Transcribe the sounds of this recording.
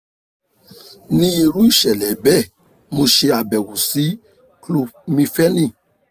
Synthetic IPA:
nĩ˦i˧ɾu˨˦i˦˨ʃɛ˨lɛ˨˦bɛ˦˨ | mo˧ʃe˧a˨bɛ˨wu˨si˨˦ | klo˧mĩ˧fɛ˦nĩ˦˨

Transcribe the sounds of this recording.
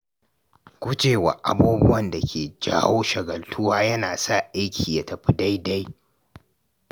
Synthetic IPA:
kʷʊ˦d͡ʒeː˨wa̰˨ʔa̰˨buː˦bʊ˦wɐ˦nda˨kʲeː˨d͡ʒa̰ː˦woː˦ʃɐ˨ɡɐ˨ltʰʊ˦waː˦jɐ˦naː˨sa˦˨ʔa˦jkʲʰiː˨ja˨tɐ˨ɸi˦da˦jda˦j

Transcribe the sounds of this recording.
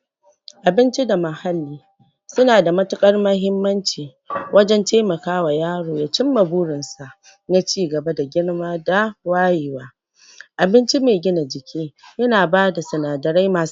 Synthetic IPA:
ʔa˨bɪ˦nt͡ʃi˦da˨mɐ˨ha˦lːiː˦ | sʊ˦naː˨da˨mɐ˦tʊ˦kʼɐ˦rmɐ˦ɦɪ˦mːɐ˦nt͡ʃiː˨ | wʔɐ˦d͡ʒɛ˦nteː˦mɐ˨kaː˦wa˨jaː˦ɽoː˨ja˦t͡ʃɪ˦mːɐ˨buː˦ɽɪ˨nsa˨ʔ | na˦t͡ʃiː˦˨ɡɐ˨ba˦da˨ɡʲɪ˦ɽmaː˦da˨waː˦ji˨waː˦ | ʔa˨bɪ˦nt͡ʃi˦meː˨ɡʲɪ˦na˨d͡ʒɪ˨kʲʰiː˦jɐ˦naː˨baː˦da˨sɐ˨naː˨dɐ˨ɽa˦jmaː˨s

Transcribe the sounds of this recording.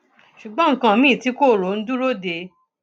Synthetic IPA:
ʃu˨ɡ͡bɔ̃˨˦ŋ̩˨˦kã˧˨˧mĩ˦˨ti˨˦ko˦˨ɾo˨˦n̩˦du˦ɾo˦de˧˦

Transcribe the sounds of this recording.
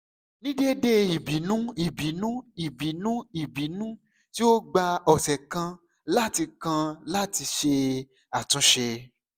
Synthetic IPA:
nĩ˦de˦de˦i˨bi˨˦nũ˦i˨bi˨˦nũ˦i˨bi˨˦nũ˦i˦˨bi˨˦nũ˦ | ti˦o˦ɡ͡ba˧ɔ˨sɛ˨kã˧ | la˦ti˧kã˧la˦ti˧ʃe˧ | a˨tũ˨˧˦ʃe˧

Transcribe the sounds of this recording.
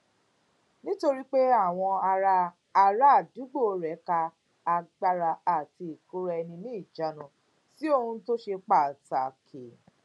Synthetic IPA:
nĩ˦to˧ɾi˦k͡pe˦a˦˨w̃ɔ̃˧a˧ɾaː˧ | ɾa˦˨du˨˦ɡ͡bo˦˨o˧ɾɛ˨˦ka˧ | a˧ɡ͡ba˧ɾa˧a˨ti˧i˨ku˦ɾɛ˦˧ɛ˧nĩ˧nĩ˦˨d͡ʒa˨˦nũ˧ | si˦o˦˧hũ˧to˦ʃe˧k͡pa˨ta˨kʰe˨

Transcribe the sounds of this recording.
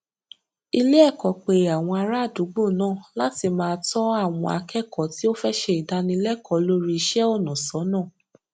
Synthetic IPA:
i˧le˦ɛ˦˨kɔ˨k͡pe˨a˨w̃ɔ̃˧a˧ɾa˦˨du˨˦ɡ͡bo˦˨nãː˦˨la˦ti˧mãː˧˦tɔ˦a˦˨w̃ɔ̰̃˧a̰˧kʰɛ˦˨kɔ˨ti˦o˦fɛ˦ʃɛ˧i˨da˧nĩ˧˦lɛ˦kʰɔ˨˦lo˦ɾi˧i˧ʃɛ˦ɔ˦˨nã˨sɔ˨˦nãː˦˨

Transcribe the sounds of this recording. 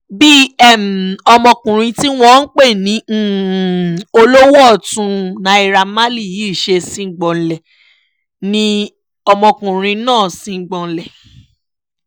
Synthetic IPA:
bi˦ɛ˦˨m˨ɔ˧mɔ̃˧kũ˨ɾ̃ĩ˧ti˦w̃ɔ̃˦n̩˦k͡pe˦˨nĩ˨˦˨ | o˧lo˦wɔ˦˨tũ˧nã˨˦i˧ɾa˧ma˦li˦˨ji˨˦˨ʃe˧sĩ˦˨ɡ͡bɔ˨lɛ˨ | nĩ˧ | ɔ˧mɔ̃˧kũ˨ɾ̃ĩ˧˦nãː˦˨sĩ˧ŋ̩˨ɡ͡bɔ̃˨n̩˨lɛ˨

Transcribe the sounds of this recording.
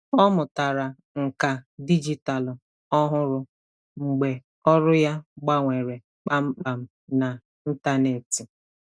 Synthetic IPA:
ɔ˦mʊ˨ta˨ɾa˨ | ŋ̩˨ka˨di˦d͡ʒi˦ta˨l | ɔ˦ɦʊ˦ɾʊ˦ | ŋ͡m̩˨ɡ͡be˨ | ɔ˦ɾʊ˦ja˦ɡ͡ba˦ŋʷe˨ɾe˨ | k͡pa˦m̩˦k͡pa˨m̩˦ | na˨ | n̩˦ta˦ne˨ti˨

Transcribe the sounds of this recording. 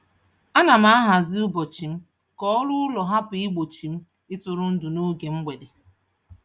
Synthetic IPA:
a˦na˨m̩a˦a˦ɦa˨zɪ˦ʊ˦bo˨t͡ʃi˨m̩˦ | kɔ˦ɔ˦lʊ˦lɔ˨ɦa˦pɪ˨ɪ˦ɡ͡bo˨t͡ʃi˨m̩˦ | ɪ˦tʊ˨ɾʊ˦n̩˦dʊ˨no˦ɡe˨ŋ͡m̩˦ɡ͡be˨de˨

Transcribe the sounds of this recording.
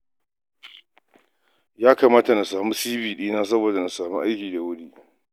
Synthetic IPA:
jaː˦kaː˨maː˦ta˨na˨saː˨mu˦siː˦biː˨ɗiː˦naː˦s̬ɐ˦boː˨da˨na˨saː˨mḭ˦ʔa˦jkʲiː˨da˨wʊ˦ɽiː˦ʔ

